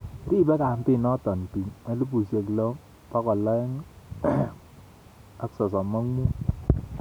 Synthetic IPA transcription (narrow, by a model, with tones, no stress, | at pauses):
ɾi˦˨bɛ˦ka˨m˦pɪ˦˨nɔ˦tɔ˨n˨pi˨ɲa˨˦lu˦bu˨se˨klɔ˦ | pa˦kɔ˨la˦ŋ | a˦ksɔ˨s̬ɔ˨ma˦ŋmu˦